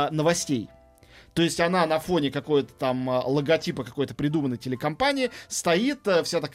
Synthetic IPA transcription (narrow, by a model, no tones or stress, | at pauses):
nəvɐsʲtʲḛj | t̪o̞ɪsʲtʲɐnanɐfo̞nʲɪkɐko̞jət̪ə̥t̪amlˠəɡɐtʲipəkɐko̞jt̪əpɾʲɪd̪umənːəjtʲɪlʲɪkɐmpanʲɪɪst̪ɐit̪əfsʲat̪ɐk